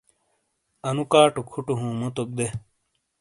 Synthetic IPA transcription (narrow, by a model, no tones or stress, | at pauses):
ɐnukaːʈukʰuʈuɦũːmot̪ok̚d̪e